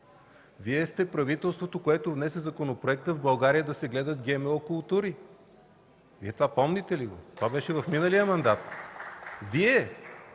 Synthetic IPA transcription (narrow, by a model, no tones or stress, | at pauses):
viɛst̪ɛpɾɐvit̪ɛlˠst̪vot̪okoɛt̪ovnɛsɛzɐkonopɾoɛk̚t̪əvbɐlˠɡaɾijəd̪ɐsɛɡlɛd̪ət̪ɡʲɛmɛokʊlˠt̪uɾi | viɛt̪vapɔmnit̪ɛliɡo̰t̪ovabɛʃɛvɐfminəlijəmɐnd̪at̪ | viɛ